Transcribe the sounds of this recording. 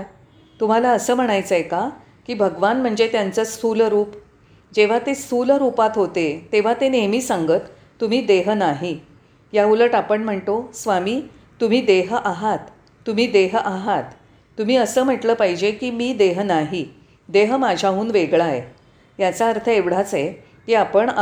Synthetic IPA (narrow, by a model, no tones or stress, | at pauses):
t̪um̤alaəsəːm̤əɽ̃ajt͡səeka | kiːbʱəɡʋanm̤əɳd͡zet̪jant͡səːst̪ʰulɾuːp | d͡ʑeʋ̤at̪est̪ʰulɾupat̪ɦot̪et̪eʋ̤at̪enemiːsãŋɡət̪ː | um̤iːd̪eɦnaɦi | jauləʈapəɳm̤əɳt̪osʋamiː | t̪um̤iːd̪eɦʔaɦat̪ː | um̤iːd̪eɦʔaɦat̪ː | um̤iːəsəːm̤əʈləːpaɦid͡ʑekiːmiːd̪eɦnaɦi | d̪eɦəmad͡ʑʱauːnʋeɡɭae | jat͡saəɾt̪ʰəeʋɽ̤at͡se | kiːapəɳ